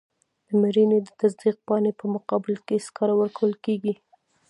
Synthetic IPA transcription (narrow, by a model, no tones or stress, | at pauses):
d̪̥əmaɾined̪ət̪azd̪iq̚pɑnepəmʊqɑbɪlkeskɑɾawəɾkawəlkeɡi